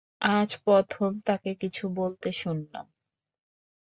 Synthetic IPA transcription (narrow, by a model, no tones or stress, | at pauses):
ad͡ʑpɔt̪ʰomt̪akekit͡ɕʰubolt̪eʃunːa̰m